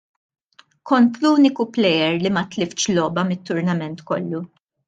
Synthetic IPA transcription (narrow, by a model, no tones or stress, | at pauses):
kɔnt̪luːnɪkuplɛjɛɾlimɐt̪lɪft͡ʃlɔːbɐmɪt̪ːʊɾnɐmɛnt̪kɔ̰lːu